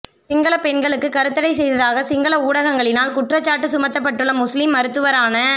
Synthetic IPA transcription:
sɪŋɡɐɭɐpɛnɡɐɭɯkːɯkɐɾɯt̪ːɐɽɐɪsɛjðɐðaːɣɐsɪŋɡɐɭɐuːɽɐɣɐŋɡɐɭɪnaːlkʊʈrɐt͡ʃːaːʈːɯsʊmɐt̪ːɐp̬ːɐʈːɯɭːɐmʊslɪmːɐɾɯt̪ːɯʋɐɾaːnɐ

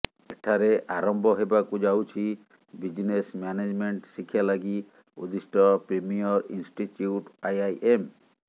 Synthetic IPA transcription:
eʈʰaɾeʔaɾɔmbʱɔɦebakud͡ʒawt͡ʃʰi | bid͡ʒnesmjaned͡ʒmeɳʈsikʰjalaɡi | ṵd̪isʈɔpɾemijɔɾḭnsʈituʈajajʔem

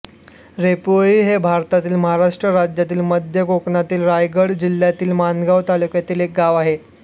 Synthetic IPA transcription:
ɾepuɭiːɦebʱaɾt̪at̪iːlməɦaɾaʂʈɾəɾad͡ʑjat̪iːlməd̪ʱjəkokɳat̪iːlɾajɡəɽd͡ʑil̤jat̪iːlmanɡaʋt̪alukjat̪iːlek̚ɡaʋaɦe

